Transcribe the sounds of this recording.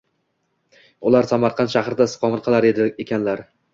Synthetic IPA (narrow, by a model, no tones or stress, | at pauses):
ʊlˠaɾsamaɾqʰɑnt̪ʃahɾɪd̪asɪ̥qʰɒmɪɾqʰɨlˠaɾed̪ɪekʲanlaɾ